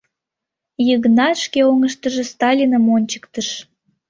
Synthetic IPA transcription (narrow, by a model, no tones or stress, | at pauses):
jəɣnɑʃkeoŋəʃt̪əʒĕst̪ɑlʲinəmonʲt͡ɕə̥kt̪əʃ